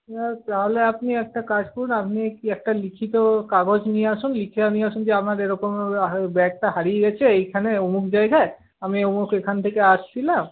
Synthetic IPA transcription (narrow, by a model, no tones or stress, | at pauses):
at̪aɦoleapniɛk̚ʈakad͡ʒkɔɾunapnikɛk̚ʈalikʰit̪okaɡod͡ʑnieasunlikʰianieasund͡ʒeamaɾeɾɔkombɛk̚ʈaɦaɾieɡɛt͡ɕʰeejkʰaneomukʰd͡ʒajɡae | amiomukʰekʰant̪ʰekeast͡ʃʰilam